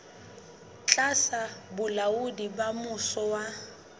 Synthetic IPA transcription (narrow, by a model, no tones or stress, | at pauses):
t͡ɬʼasabʊlaudibamʊsɔwa